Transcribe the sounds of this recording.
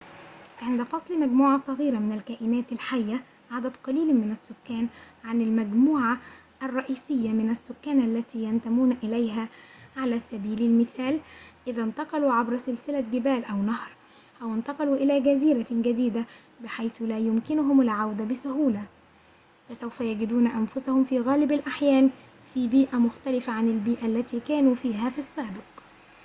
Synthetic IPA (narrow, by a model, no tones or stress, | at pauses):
ʕɪnd̪æfɑsˤlmæɡmuːʕasˤɑɣiːɾamɪnælkæːʔɪnæːt̪alħajːa | ʕad̪æd̪qɑliːlmɪnæsːʊkːæːnʕanɪlmæɡmuːʕa | ʔarˤːɑʔiːsɪjːamɪnæsːʊkːæːnʔalːæt̪iːjænt̪æmuːnʔɪlæjɦæʕalæːsæbiːlɪlmɪθæːlʔɪðænt̪ɑqɑluːʕabɾsɪlsɪlaɡɪbæːlʔæwnɑhɾ | ʔæwɪnt̪ɑqɑluːʔɪlæːɡæziːɾaɡad̪iːd̪a | bɪħajθʊlæːjʊmkɪnʊɦʊmalʕawd̪abɪsʊɦuːla | fæsawfæjaɡɪd̪uːnaʔanfʊsahʊmfiːɣæːlɪbalʔaħjæːn | fiːbiːʔamʊxt̪ælɪfaʕanɪlbiːʔalːæt̪iːkæːnuːfiːɦæːfisːæːbɪq